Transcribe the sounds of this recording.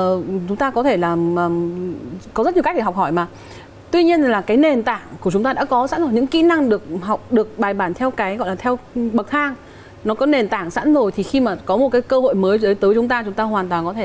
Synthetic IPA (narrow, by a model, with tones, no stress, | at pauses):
t͡ɕʊ˨˦ŋ͡mt̪aː˧kɔ˨˦t̪ʰe˧˩laː˨˩əː˨˩m | kɔ˨˦zə˦˥ɲ˨˩k̟̚ɗe˧˩ɦk͡p̚hɔ˧˩jmaː˨˩ | t̪wi˧ɲi˧ənlaː˨˩kaː˨˦jne˨˩nt̪a̰ː˧˩ŋku˧˩ət͡ɕʊ˨˦ŋ͡mt̪aː˧a̰ː˧˥kɔ˨˦sa̰˧˥nzo˨˩ɲɨ̰˧˥ŋkḭ˧˥na˧ŋɗɨ˨˩ək̚ɦa˨˩wk͡p̚ɗɨ˨˩ək̚ɓaː˨˩jɓaː˧˩nt̪ʰɛ˧wkaː˨˦jɣɔ̰˧˨jlaː˨˩t̪ʰɛ˧wɓə˨˩k̚t̪ʰaː˧ŋ | nɔ˨˦kɔ˨˦ne˨˩nt̪aː˧˩ŋsa̰˧˥nzo˨˩jt̪ʰi˨˩xi˧maː˨˩kɔ˨˦mo˨˩t̚kaː˨˦jkəː˧ho̰˧˨jməː˨˦jzəː˨˦jt̪əː˨˦jt͡ɕʊ˨˦ŋ͡mt̪aː˧t͡ɕʊ˨˦ŋ͡mt̪aː˧ɦwaː˨˩nt̪waː˨˩nkɔ˨˦t̪ʰe˧˩